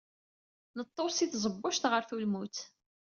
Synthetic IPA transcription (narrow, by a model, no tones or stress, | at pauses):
nət̪ˤːosiθzˤəbːʊʃt̪ʁəɾθulmut̪